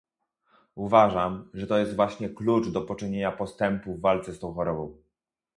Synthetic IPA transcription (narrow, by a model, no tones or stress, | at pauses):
uvaʐamʐɛt̪ɔjɛst̪vwaɕɲɛklut͡ʂd̪ɔpɔt͡ʂɘɲeɲapɔst̪ɛmpuvːalt̪sɛst̪ɔ̃w̃xɔɾɔbɔ̃w̃